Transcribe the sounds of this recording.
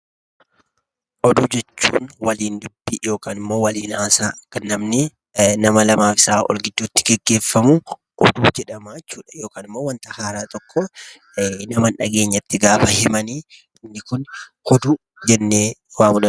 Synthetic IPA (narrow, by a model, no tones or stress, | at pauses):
ʔɔd̪uːd͡ʒɛt͡ʃːṵːnwɐliːnd̪ʊbːijo̞ːkaːnɪmːo̞ːwɐliːnaːsaːɐkːɐnːɐmnɪ | nɐmɐlɐmaːfɪ̥saːʔɔ̰lɡɪd̪ːuːt̪ːɪ̥ɡɛɡːe̞ːfːɐmʊ | ʔɔ̰d̪uːd͡ʒɛᶑɐmaːt͡ʃːuːᶑɐ̥jo̞ːkaːnɪmːoːwɐnt̪ɐhaːɾaːt̪ʼɔkːɔ | nɐmɐnᶑɐɡe̞ːɲːɐt̪ːɪɡaːfɐhɪmɐniː | ɪnːɪkʊnhɔd̪u | d͡ʒɛnːeːwaːmʊᶑɐn